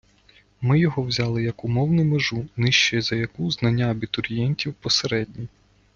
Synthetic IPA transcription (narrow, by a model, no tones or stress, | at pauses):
mɪjɔɦɔwzʲɑlˠɪjɐkʊmɔwnʊjmeʒunɪʃt͡ʃɛzɐjɐkuznɐnʲːaɐbʲit̪ʊɾʲjɛnʲtʲiwpɔseɾɛdʲnʲi